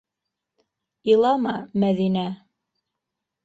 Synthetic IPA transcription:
ɤlˠɑmɑmæðinæ

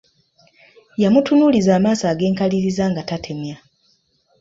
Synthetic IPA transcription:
jamutunuːlizaːmaːsaːɡe̞ːŋkaliɾizaːŋɡatatʰe̞mja

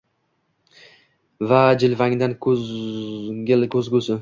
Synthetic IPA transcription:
vad͡ʒɪlvaŋd̪ankʰ | ɪlkʰɵzɡʲʊsɪ

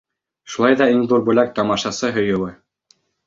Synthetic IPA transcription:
ʃulˠɑjðɑiŋðuɾbʉlæk̚t̪ɒmɑʃɑsɤɦɵ̆jɤ̆wɘ

